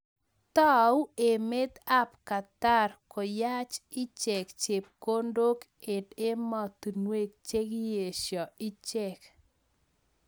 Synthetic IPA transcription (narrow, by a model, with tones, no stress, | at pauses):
t̪ɔ˦u˦e˨me˦t̪a˦pka˨t̪a˦rkɔ˨ja˦t͡ʃɪ˦t͡ʃɛ˨kt͡ʃe˨p̚ko˦ndo˦k | e˨de˦mɔ˨t̪u˨nwe˦k̚t͡ʃe˦kje˨ʃjɔ˨ɪ˦t͡ʃɛ˨k